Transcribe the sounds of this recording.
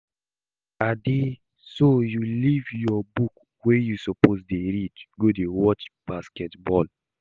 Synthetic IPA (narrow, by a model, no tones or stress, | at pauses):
ade | sojulivjɔbuk | wejusɔposdeɹidɡodewɔt͡ʃb̥askɛtbɔl